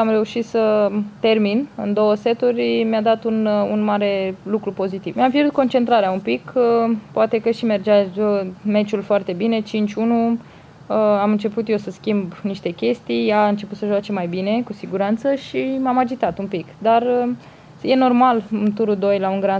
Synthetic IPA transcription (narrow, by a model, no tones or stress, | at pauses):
amre̞uʃit̪sət̪e̞rminɨ̰nd̪o̞wəse̞t̪urʲmjad̪at̪ununmaɾe̞lukɾupo̞zit̪ivmjampjeɾut̪̚ko̞nt͡ʃe̞nt̪ɾaɾeaumpikpoat̪e̞kəʃime̞rd͡ʒaəme̞t͡ʃulfoart̪e̞bine̞t͡ʃint͡ʃʲunu | amɨnt͡ʃe̞put̪je̞səskʲimbniʃt̪e̞kʲe̞st̪ijjaɨnt͡ʃe̞put̪səʒoat͡ʃe̞majbine̞kusiɡuɾant̪səʃimamad͡ʒit̪at̪umpikd̪ar | je̞no̞rmalɨnt̪uɾud̪o̞jlauŋɡɾa